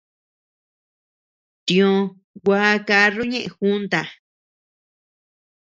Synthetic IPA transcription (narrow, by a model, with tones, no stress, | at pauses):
t̪ĩ˨õ˧ | ɡʷaː˦˧˦ka˧˦ru˦ɲẽ˦ʔẽ˧xu˦nt̪a˧˨